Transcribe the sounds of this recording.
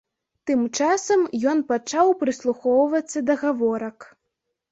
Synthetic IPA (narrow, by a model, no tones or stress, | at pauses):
t̪ɨmt͡ʂasɐmjɔnpat͡ʂawpɾɨslˠuxɔwvɐt̪sːɐd̪ɐɣavɔɾɐk